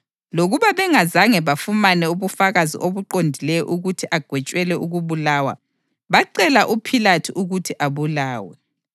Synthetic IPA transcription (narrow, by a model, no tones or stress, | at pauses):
loɣuβaβɛŋazaŋɛβafumanɛuβufaɣazḭʔoβuǃondʱilɛjɔ̰ʔuɣutʰiʔaɡ̥ʱwɛt͡ʃʼwɛlɛuɣuβulawa̰ | βaǀɛlaʔupʰilatʰiʔuɣutʰiʔaβulaːwɛ